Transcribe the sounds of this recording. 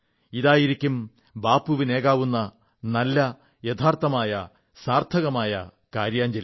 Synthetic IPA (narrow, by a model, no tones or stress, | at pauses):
iðaːjiɾikʲːum | baːpːuʋine̞ːɣaːʋunːɐ | nɐlːɐ | jet̪ʰaːrt̪ɐmaːjɐ | saːrt̪ʰɐɣɐmaːjɐ̰ | kaːɾjaːɲd͡ʑɐl